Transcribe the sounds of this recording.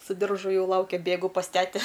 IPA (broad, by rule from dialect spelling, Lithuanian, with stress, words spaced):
sʊ ˈdʲɪrʒʊ ˈjɛʊ ˈlˠɐʊkʲɛ ˈbʲeːɡʊ pɐs ˈtʲæːtʲɛ